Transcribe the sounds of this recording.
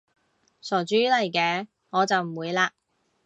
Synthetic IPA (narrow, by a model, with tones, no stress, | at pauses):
sɔː˨˩t͡ʃyː˥lɐ˨˩jkɛː˧ | ŋɔː˨˧t͡sɐ˨wm̩˨˩wuː˨˧jlaː˧